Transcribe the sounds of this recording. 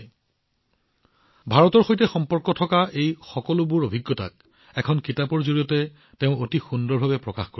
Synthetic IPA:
bʱaɹɔtɔɹxojtɛxɔmpɔɹkɔtʰɔkaʔejxɔkɔlʊbʊɹobʱiɡːɔta̰k̚ | ɛkʰɔnkitapɔɹzoɹijɔtɛ | teʊ̃otixundɔɹbʱabɛpɹɔkaxko

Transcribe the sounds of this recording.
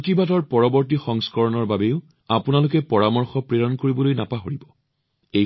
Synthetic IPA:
tibatɔɹpɔɹɔbɔɹt̬ixɔŋskɔɹɔnɔɹbabeʊ | apunalʊkɛpɔɹamɔɹxɔpɹeɹɔnkoɹibɔlojnapaɦoɹibɔ | ej

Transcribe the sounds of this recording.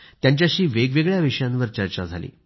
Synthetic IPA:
t̪jaɲt͡ɕjaɕiːʋeɡʋeɡɭjaʋiʂəjãnʋəɾt͡ɕəɾt͡ɕad͡zʱalḭː

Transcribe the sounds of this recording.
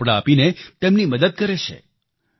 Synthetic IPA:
ɽaːpinet̪emniməd̪əd̪̚kəɾet͡ʃʰḛ

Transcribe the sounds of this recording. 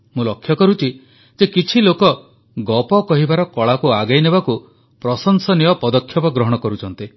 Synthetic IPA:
mũlɔkʰːjɔkɔɾut͡ʃʰi | d͡ʒekit͡ʃʰilokɔ | ɡɔpɔkɔɦibaɾɔkɔɭakuaɡajnebaku | pɾɔsɔŋsɔnijɔpɔd̪ɔkʰjɔpɔɡɾɔɦɔɽ̃ɔkɔɾut͡ʃʰɔnt̪i

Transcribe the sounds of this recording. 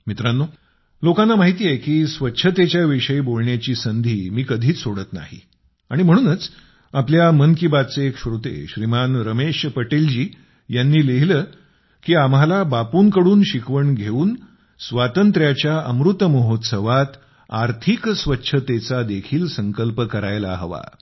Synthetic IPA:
mit̪ɾanːo | lokãnːamaɦit̪iːjekiːsʋətːɕʰət̪et͡ɕjaʋiʂəibolɳjat͡ɕiːsənd̪ʱiːmiːkəd̪ʱiːt͡ssoɽət̪na̰ɦḭ | aɽ̃im̤əɽ̃uːnət͡s | apljamənkibad̪̚t͡seːkɕɾut̪ḛɕɾimanɾəmeɕpəʈeld͡ʑiː | janːiːleɦiləː | kiːamɦalabapuːnkəɽuːnɕikʋəɳɡʱeuːn | sʋat̪ənt̪ɾjat͡ɕjaəmɾut̪ːəməɦot̪səʋat̪ | aɾt̪ʰiksʋətːɕʰət̪et͡sad̪ekʰiːlsəŋkəlpəkəɾajla̰ɦəʋa̰

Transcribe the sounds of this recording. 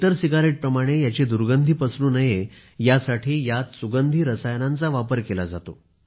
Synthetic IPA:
t̪əɾsiɡaɾeʈ̚pɾəmaɽ̃ejat͡ɕed̪uɾɡənd̪ʱiːpəsluːnəje | jasaʈʰiːjat̪suɡənd̪ʱiːɾəsajnãnt͡saʋapəɾkelad͡za̰t̪o̰

